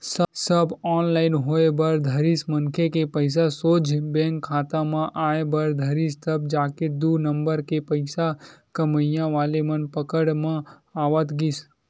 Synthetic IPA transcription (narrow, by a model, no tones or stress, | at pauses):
ssəbɔːnlaɪnɦoebəɾd̪ʱəɾismənkʰekepəɪs̬asod͡ʒʱbẽŋkʰːat̪amãʔaebəɾd̪ʱəɾist̪əb̚d͡ʒaked̪unəmbəɾkepəɪsakəməjãʋaːlemənpəkəɽmã | aʋət̪ɡis